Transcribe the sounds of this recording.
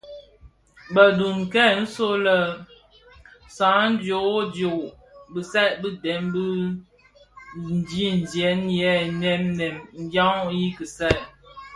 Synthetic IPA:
bə˨du˨nkɛ˦˨n̩˦so˦lə˦ | sã˨˦n̩˦djo˨˦djo˨ʔ | bə˨sɛ˦˨ʔbi˦dɛ˨˦mbi˦ | n̩˨d͡ʒi˦n̩˨d͡ʒjɛ˨˦njɛ˨˦nɛ˦mnɛ˨mŋ̩˦ɡja˦ŋji˦kə˨sɛ˦˨ʔ

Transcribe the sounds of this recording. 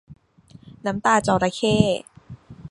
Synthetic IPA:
na˦˥mt̪aː˧t͡ɕɔː˧˩ɾa˧˦kʰeː˥˩

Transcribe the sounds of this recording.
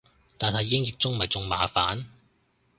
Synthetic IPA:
t̪aː˨nhɐ˨˧jːɪ˥ŋjɪ˨˧k̚t͡sʊ˥ŋmɐ˨jt͡sʊ˧ŋma̰ː˨˥fa̰ː˨˥n

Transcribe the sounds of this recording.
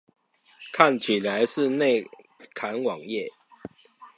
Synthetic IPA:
kʰa˥˨nt͡ɕʰi˨˩la˨˦ɪʂɻ̩˥˧ne˥˨ɪ | kʰa˨˦nwɑ˨˩ŋjɛ˥˨

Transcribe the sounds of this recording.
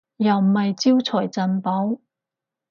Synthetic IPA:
jɐ˨˩wm̩˨˩hɐ˨jt͡siː˥wt͡sʰɔː˨˩jt͡sɐ˨npo˨˥w

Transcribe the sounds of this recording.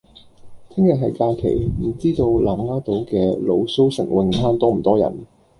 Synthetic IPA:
t̪ʰɪ˥ŋjɐ˨k̚ɦɐ˨jkaː˧kʰḛ˨˩jm̩˨˩t͡siː˥t̪o˧wlaː˨˩mŋaː˥t̪o˨˥wkɛː˧lo˨˧wso˥wsɪ̰˨˩ŋwɪ˨˧ŋfaː˥nt̪ɔː˥m̩˨˩t̪ɔː˥jɐ̰˨˩n

